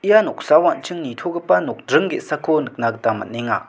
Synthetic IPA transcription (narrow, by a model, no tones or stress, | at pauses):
ʔijanok̚sawant͡ɕʰəŋnit̪ʰokəpanok̚ɖ͡ʐəŋɡesakʰonək̚nak̚t̪amə̰neŋa̰